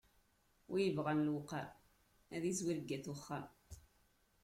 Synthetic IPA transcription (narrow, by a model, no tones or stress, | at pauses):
wijəvʁanlwqːaɾ | æðizwiɾɡːæθʊχːam